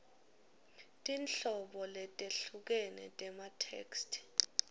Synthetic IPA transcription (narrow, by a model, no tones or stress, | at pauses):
tʼinɬɔɓɔlɛtʼeɬuk̬ɛnɛ̰tʼɛmatʰḛːkstʰi̥